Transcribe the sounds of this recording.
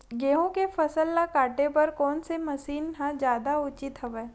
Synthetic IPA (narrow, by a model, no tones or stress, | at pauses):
ɡeːɦõkefɐsəlːakaːʈepɐɾkɔːnsemɐsiːnɦãd͡ʒjaːd̪aʊt͡ʃɪt̪ɦɐʋɛː